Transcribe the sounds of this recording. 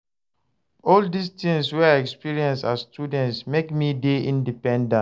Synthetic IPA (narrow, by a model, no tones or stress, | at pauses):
ɔldistĩŋswɛaɛkspiɹiɛ̃nsasstjudɛ̃ntsmekmideĩndipɛ̃ndã